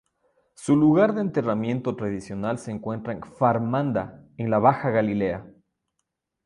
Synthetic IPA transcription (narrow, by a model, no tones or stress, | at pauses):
suluɣaɾðeːnt̪e̞ramje̞nt̪o̞t̪ɾaðisjo̞nalse̞ːŋkwe̞nt̪ɾaeŋfaɾmãnd̪aenlaβaxaɣalile̞a